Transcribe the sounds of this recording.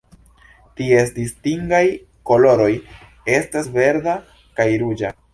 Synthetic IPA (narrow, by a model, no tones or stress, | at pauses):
tie̞sdistiŋɡaj | ko̞lo̞ɾo̞j | e̞stasve̞ɾda | kajɾud͡ʒa